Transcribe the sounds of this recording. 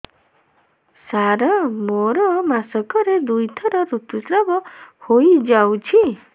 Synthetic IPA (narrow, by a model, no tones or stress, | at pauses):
saɾɔmoɾɔmasɔkɔɾed̪ujt̪ʰɔɾɔɾut̪usɾabɔhojd͡ʒawt͡ʃʰi